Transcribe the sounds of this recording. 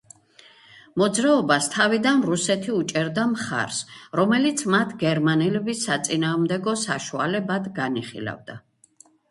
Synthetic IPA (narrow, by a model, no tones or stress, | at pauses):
mɔd̪zɾaɔbast̪ʰavid̪anɾusɛt̪ʰiut͡ʃʼɛɾd̪amχa̰ɾsɾɔmɛlit̪sʰmat̪ʰɡɛɾmanɛlɛbisːat̪sʼinaːʁmd̪ɛɡɔsaʃua̰lɛbad̪ɡaniχḭla̰vd̪a̰